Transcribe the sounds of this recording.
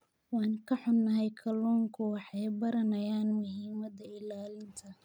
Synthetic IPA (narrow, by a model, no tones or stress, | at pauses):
wɑːŋkʰɐħʊnːɐɦɛjkʰɐlɔːŋkʰʊwɑħɑjbɐɾɐnɐjaːnmʊɦiːmɐðɐɪlaːlɪnt̪ʰɐ